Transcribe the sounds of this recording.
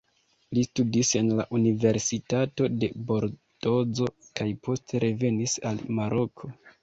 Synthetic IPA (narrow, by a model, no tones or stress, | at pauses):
listudise̞nlaʔunive̞ɾsitato̞de̞bo̞ɾdo̞d͡zo̞kajpʰo̞stʰe̞ɾʔe̞ve̞nisalmaɾʔo̞kʰo̞